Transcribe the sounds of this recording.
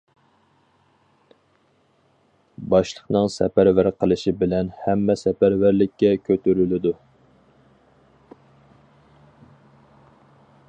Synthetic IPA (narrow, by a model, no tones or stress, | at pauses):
bɑʃlˠəχnɨŋsɛpæɾvæɾqʰəlˠɨʃibɪlɛnhæmːɛsɛpæɾvæɾlɪkʲːɛkʲʰøt̪ʰyɾylɪd̪u